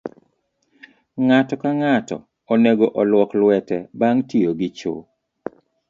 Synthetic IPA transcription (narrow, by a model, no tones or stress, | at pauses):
ŋatɔkaŋatɔ̰ | ɔneɡoʔɔlwɔklwɛtɛbaŋtioɡɪt͡ʃo̰